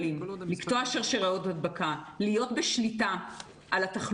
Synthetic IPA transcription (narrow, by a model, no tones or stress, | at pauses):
limliktoaʃaʁʃeʁaotadbakalijo̞tbeʃlita | ʔalataχ